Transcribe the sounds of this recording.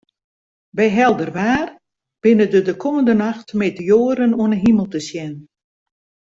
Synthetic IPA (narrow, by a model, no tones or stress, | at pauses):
bɛjɦɛlˠdərʋaːr | b̥ɪnədədəkʰɔməndənaxtmeːtəjoːəɾənuənəɦiməlˠtəsjɛn